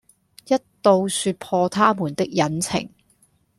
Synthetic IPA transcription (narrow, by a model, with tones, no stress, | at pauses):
jɐ˥t̚t̪o˧wsyː˧t̚pʰɔː˧t̪ʰaː˥muː˨˩nt̪ɪ˥k̚jɐ˨˥nt͡sʰɪ̰˨˩ŋ